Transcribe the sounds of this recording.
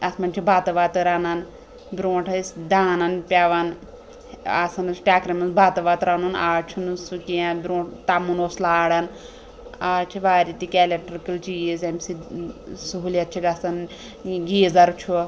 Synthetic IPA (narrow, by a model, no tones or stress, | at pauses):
ɐsmɐnʲt͡ʃʰubʱaːt̪ɐʋaːt̪ɨɾanan | bʲɾõːʈʰɐsʲd̪aːnanpʲjaʋan | asɐnɐsʈʲaːkɾɐmɐnsbʱaːt̪ɐʋaːt̪ɾanunaːt͡ʃʰunsukʲiãbʲɾõːʈʰt̪amunoːslaːɽan | aːt͡ʃʰiʋaːɾit̪ikʲɛlʲeʈɾkɐlt͡ʃiezɐmʲsisuɦulʲɐt̪̚t͡ʃʰiɡɐsɐn | ɡiːzɐɾt͡ʃʰu